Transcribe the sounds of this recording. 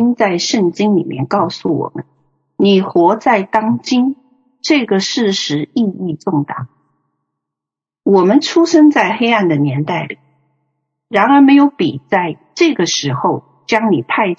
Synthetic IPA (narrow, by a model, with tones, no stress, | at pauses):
nt͡sa˥˧ɪʂɤ˥˩ŋt͡ɕi˥ŋlḭ˨˩mjɛ̰˥˧nkɑ˥˩ʊsu˨˩wɔ̰˨˩mə̰˦n | ni˨˩xwɔ˧˥t͡sa˥˩ɪt̪ɑ˥ŋt͡ɕi˥n | ʈ͡ʂɤ˥˩ɡə˩ʂɻ̩˥˩ʂɻ̩˧˥i˥˧i˥˧t͡sʊ˥˩ŋt̪ɑ̰˨˩˦ŋ | wɔ˨˩mə˦nʈ͡ʂʰu˥ʂə˥nt͡sa˥˩ɪxe˥ɪa˥˩nd̪ə˩njɛ˧˥nt̪a˥˩ɪli˨˩˦ | ɻa˧˥nə˞˧˥me˧˥ɪjo˧˥ʊpi˨˩t͡sa˥˧ɪ | ʈ͡ʂɤ˥˩ɡə˩ʂɻ̩˧˥xo˥˧ʊ | t͡ɕjɑ˥ŋni˨˩pʰa˥˧ɪ